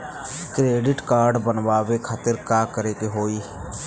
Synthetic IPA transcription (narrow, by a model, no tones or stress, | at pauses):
kɾeːɖɪʈkaːɾɖbənʋaːʋekʰaːt̪ɪɾkaːkəɾeːk̪eɦoːi